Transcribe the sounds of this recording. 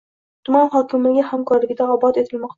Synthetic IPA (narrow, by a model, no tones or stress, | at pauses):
t̪ʰʊmɑnχɒt̪ʰɨlmaɡʲahamkʰɒɾlɪɡʲɪd̪aɒbɒt̪et̪ʰɪlmɒqt̪a